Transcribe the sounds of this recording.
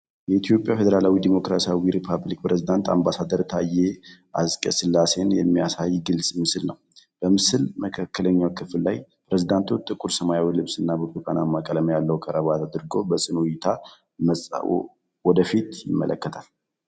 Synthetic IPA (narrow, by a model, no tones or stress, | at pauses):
jɛit̪ʰjo̞pʼjafed̪əɾalawid̪imo̞kɾasiawiɾipʰaβlikpɾezid̪ant̪ʰa̰mbasad̪əɾt̪ʰajːeʔaskʼə̰sɨlːase̞njɛ̰mːijasajːɡɨlsʼmɨsɨlnəw | b̥əmɨsɨlməkʰakːələɲːawkʰɨfllajpɾezid̪ant̪ʰut̪ʼɨkʼuɾsəmajawilɨβsɨnːabəkʼukʼanamːakʼələmjalːəwkʰʼəɾʔəβat̪ʰad̪ɨɾɡo̞bəsʼɨnujɪt̪ʰa | məsʼa̰ | wɔd̪əfit̪jɪmːə̰ləkːət̪ʰal